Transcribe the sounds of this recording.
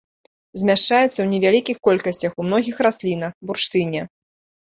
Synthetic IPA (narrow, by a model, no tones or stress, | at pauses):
zʲmʲaʂt͡ʂajɛt̪sːɐwnʲɛvʲalʲikʲixkɔlʲkɐsʲt͡sʲɐxumnɔɣʲixɾasʲlʲinɐxburʂt̪ɨnʲɛ